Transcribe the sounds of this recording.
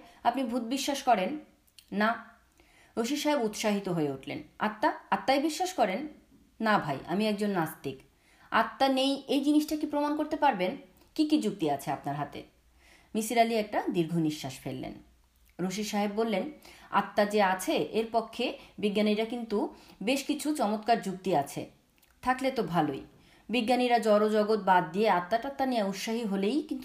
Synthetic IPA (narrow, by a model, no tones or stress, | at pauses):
apnibʱut̪̚biʃːaʃkɔɾenː | a | ɾoʃiʃaɦebut̪ʃaɦit̪oɦoeuʈʰlḛna̰t̪ːaat̪ːajbiʃːaʃkɔɾen | nabʱaja̰miɛk̚d͡ʑonːasd̪ik | a̰t̪ːanejejd͡ʑiniʃʈakipɾomankoɾt̪epaɾben | kikid͡ʑuk̚t̪iat͡ɕʰeapnaɾɦat̪ḛ | misiɾaliɛk̚ʈad̪iɾɡʱoniʃːaʃfḛlːḛn | ɾoʃ̬iʃaɦebbolːena̰t̪ːad͡ʑeat͡ɕʰeeɾpɔkʰːebiɡːaniɾakint̪ubeʃkit͡ɕʰut͡ɕɔmot̪kaɾd͡ʑuk̚t̪iat͡ɕʰḛ | t̪ʰaklet̪obʱaloj | biɡːaniɾad͡ʑɔɾod͡ʑɔɡot̪̚bad̪d̪ijeat̪ːaʈat̪ːanejaut̪ʃaɦiɦolejkint̪u